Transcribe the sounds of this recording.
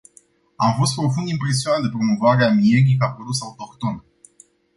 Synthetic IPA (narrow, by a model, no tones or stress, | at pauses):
amfo̞st̪̚pɾo̞fund̪impɾe̞s̬ionat̪d̪epɾo̞mo̞vaɾeamieɾikapoɾusaut̪o̞kt̪o̞n